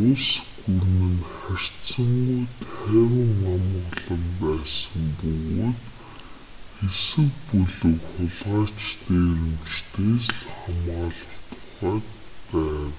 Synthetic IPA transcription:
ʊsɡurmɘ̆nχær̥tt͡sə̆ŋɡujt̪ʰχæːwɪ̆ŋːamə̆ʁɮə̆mpæːsə̆mpɵɣoːt̪ | xewsɘ̆kpuɮɵ̆kχʊɮʁaːt͡ɕt̪eːɾɘ̆mt͡ɕt̪ʰeːsɮχamaːɮʊt̪ə̥̆χæːk̚ | pæːw

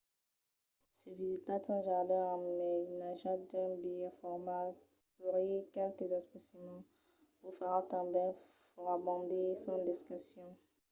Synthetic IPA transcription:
sɛvizit̪at̪ɑ̃ʒad̪ɛʁamnɛnaʒad̪ɛ̃bijɛfɔʁmal | yʁekɛlkəzaspasimɑ̃ | ufaʁat̪ɑ̃bɛ̃ | fʁabɔ̃d̪esɑ̃d̪ɛskasjɔ̃

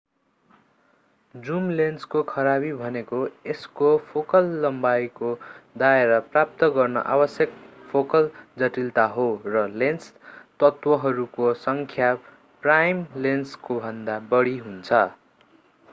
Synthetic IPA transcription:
d͡zumlenskokʰʌɾabibʱʌnekoeskopʰokʌlːʌmbajkod̪aeɾʌprap̚t̪ʌɡʌrnʌ̰ʔa̰bʌsjʌkpʰokʌld͡zʌʈilt̪aɦorʌlenst̪ʌt̪wʌɦʌɾukosʌŋkʰja | prajmlenskobʱʌnd̪abʌɽiɦunt͡sʰʌ

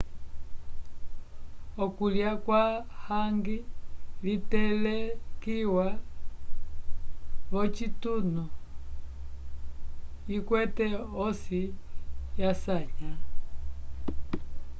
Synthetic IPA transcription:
ɔkuljakwahaŋɡilitɛlɛkiwa | βɔt͡ʃitunu | ikwɛtɛɔsijasaɲa

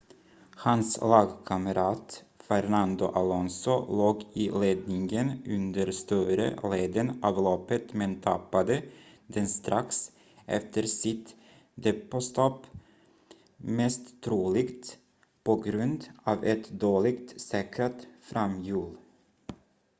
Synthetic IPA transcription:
hanslɑːɡkʰaməɾɑːt̪fɛɾnand̪ʊ̰ʔalɔnsɔloːɡɪleːd̪nɪŋənɵnd̪əɾst̪œːɾə̰leːd̪ənɑːvlɔpːət̪mɛnt̪ʰapːad̪ə | d̪ɛnst̪ɾʔaks | ʔɛ̰ft̪əɾsɪt̪ | d̪ɛpɔst̪ɔpː | mɛst̪ʰːɾuːlɪɡt̪ | pɔɡɾɵnd̪ɑːvɛt̪d̪oːɭɪɡt̪sɛːkɾat̪fɾamjʉːl

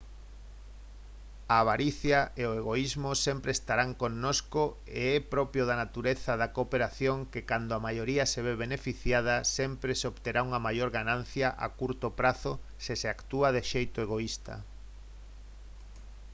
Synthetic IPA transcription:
aβ̞aɾiθjaeoeɣoizmosɛmpɾeːst̪aɾaŋkonnːosko | eɛpɾɔpjoðanat̪uɾeθɐðakopeɾaθjoŋkekand̪oamajoɾiɐseβ̞eβenefiθjað̞ɐsɛmpɾeseoβt̪eɾauŋɐmajoɾɣanãn̟θjaʔa̰kuɾt̪opɾaθʊsɪseakt̪uaðeʃejt̪ʊeɣoist̪ɐ̰

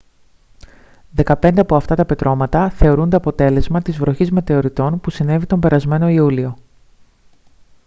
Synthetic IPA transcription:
ðe̞kɐpe̞nd̪e̞ɐpo̞ɐft̪ɐt̪ɐpe̞t̪ɾʔo̞mɐt̪ɐθe̞o̞ɾund̪eɐpo̞t̪e̞le̞zmɐt̪izvɾo̞çizme̞t̪e̞o̞ɾit̪o̞npusine̞vit̪o̞mbe̞ɾɐzme̞no̞iulio̞

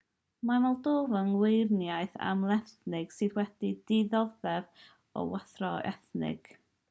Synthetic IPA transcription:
mavɛlˠdoːvənwɪrnjajθa̰mlˠɛθnɪɡ̥sɨðwɛd̥idɪðɔðɛv | ɔ̰waθrɔɛ̰θnɪ̰ɡ̥

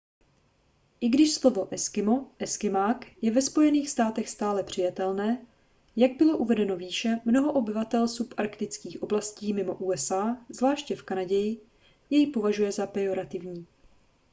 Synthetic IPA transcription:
ʔɪɡdɪʃslovo̞ʔɛskɪmo̞ʔɛskɪmaːkjɛvɛspo̞jɛniːxst̪aːt̪ɛxst̪aːlɛpr̥ɪjat̪ɛlnɛː | jaɡ̚bɪlo̞ʔuvɛdɛno̞viːʃɛmno̞ɦo̞ʔobɪvat̪ɛlsupʔaɾkt̪ɪt͡skiːxʔo̞blasciːmɪmo̞ʔuːɛsaːzlaːʃcɛfkanaɟɛjɪ | jɛjipo̞vaʒujɛzapɛjo̞ɾat̪ɪvɲiː

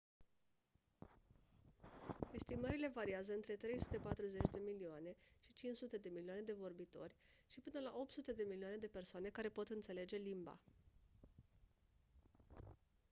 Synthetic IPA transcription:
e̞st̪iməɾile̞vaɾiazəɨnt̪ɾe̞t̪ɾe̞jsut̪e̞pat̪ɾuze̞t͡ʃʲd̪e̞milioane̞ʃit͡ʃint͡ʃsut̪e̞d̪e̞milioaned̪e̞vo̞rbit̪o̞rʲʃipɨnəlaʔo̞p̚t̪sut̪e̞d̪e̞miliane̞d̪e̞pe̞rsoane̞kaɾe̞po̞t̪ɨnt̪se̞le̞d͡ʒe̞limba̰

